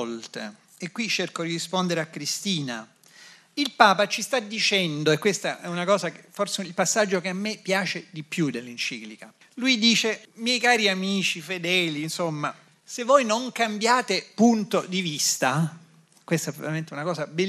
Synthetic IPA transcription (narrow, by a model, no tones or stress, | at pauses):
lt̪ḛ | ekːwit͡ʃːerkod̪iɾispond̪eɾeakːɾist̪iːna | ilpaːpat͡ʃist̪ad̪ːit͡ʃɛnd̪oekːwest̪aʔɛunakɔːzakeforseilpasːad͡ʒːokeamːepːjaːt͡ʃed̪ipːjud̪elːint͡ʃiːklika | lujd̪iːt͡ʃemjɛjkaːɾiamiːt͡ʃifed̪ɛːlinsomːa | sevːojnoŋkambjaːt̪epunt̪od̪ivist̪a | kwest̪ɛpɾo̰ɾment̪ɛunakɔːzabe